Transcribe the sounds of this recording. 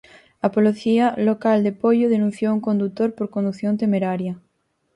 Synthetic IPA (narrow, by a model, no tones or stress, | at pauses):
apoleθialokald̪epoʎoðenũn̟θjouŋko̞nd̪ut̪oɾpoɾkond̪uθjont̪emeɾaɾja